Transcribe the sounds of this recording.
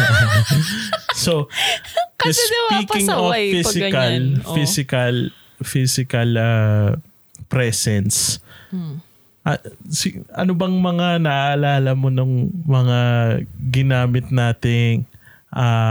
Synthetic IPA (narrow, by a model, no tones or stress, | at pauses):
so | spiːkɪŋoffiɪkɐlfisɪkɐl | fisɪkɐlɐ | pɾɛsɛns | ʔɐsɪʔɐ̰nobɐŋmɐŋanɐʔaʔɐlaːlɐmonʊŋmɐŋaɡɪnaːmɪt̪̚naːt̪ɪŋ | ʔa